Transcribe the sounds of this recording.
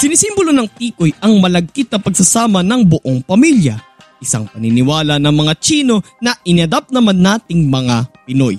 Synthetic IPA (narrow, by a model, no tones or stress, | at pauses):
sɪnɪsimbolonɐŋt̪iːkojɐŋmɐlɐɡ̚kɪt̪̚nɐpɐɡsɐsaːmɐnɐŋbʊʔoŋpɐmiljɐ̰ | ʔɪsa̰ŋpɐnɪnɪwaːlɐnɐŋmɐŋat͡ʃiːno̞nɐʔɪnɪɐd̪ap̚nɐmanːaːt̪ɪŋmɐŋapɪno̞̰j